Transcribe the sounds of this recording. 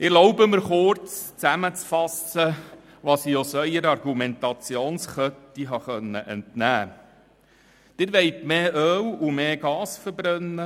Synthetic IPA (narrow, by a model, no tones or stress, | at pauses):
ɪɾlɔʊbəməɾχʊɾt͡st͡sæmət͡sfɑsə | ʋɑsiosœʏəɾɑɾɡumɛnt̪ɑt͡sjoːnsχœtːiɦɑχœnːəʔɛntnæː | d̪̥ɪɾʋɛɪtmeːʔøːwumeːɡ̥ɑːsfəɾbɾœnːə